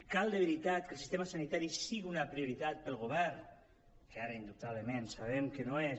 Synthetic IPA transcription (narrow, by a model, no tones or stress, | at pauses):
kalˠd̪əβəɾit̪at̪̚kəlˠsi̥st̪eməsanit̪aɾisiɣiunəpɾiuɾit̪at̪̚pəlˠɣuβɛrn | kəaɾəind̪up̚t̪aβləmensaβ̞ɛmkənoe